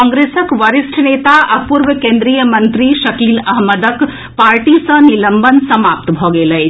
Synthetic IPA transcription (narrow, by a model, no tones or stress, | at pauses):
ɔ̃ːŋɡɾeːsəkʋəɾɪsʈʰnet̪aʔəpuɾʋəkẽːnd̪ɾijəmə̃nt̪ɾiʃɐkiːlɐɦməd̪ək | paːɾʈisə̃niləmbənsɐmaːp̚t̪bʱoɡeːləj